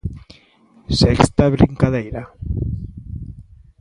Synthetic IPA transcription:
sɛkst̪aβɾiŋkaðejɾa

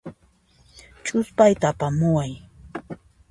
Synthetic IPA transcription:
t͡ʃʊspajt̪aːpamʊwaj

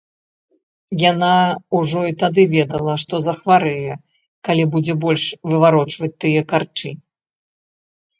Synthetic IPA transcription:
janauʐɔit̪ad̪ɨvʲɛd̪ɐlˠɐʂt̪ɔzɐxvaɾɨjɛ | kalʲibud͡zʲɛbɔlʲʂvɨvaɾɔt͡ʂvɐt͡sʲt̪ɨjɛkart͡ʂɨ

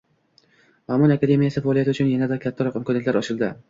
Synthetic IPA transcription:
mamɒnakad̪e̞mijasɪfaɒlijat̪ɪʊt͡ʃʰʊnjanad̪akʲʰat̪ʰːaɾɒqɪmkʰɒnet̪laɾɒʃɪlˠd̪ɪ

